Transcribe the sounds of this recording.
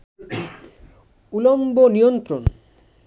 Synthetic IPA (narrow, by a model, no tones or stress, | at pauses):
ulombonijont̪ɾon